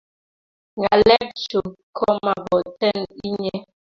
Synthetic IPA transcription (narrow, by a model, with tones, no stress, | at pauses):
ŋɡa˨lɛ˦k̚t͡ʃo˨kʰɔ˦ma˨bɔ˨tɛ˦˨ni˦ɲɛ˦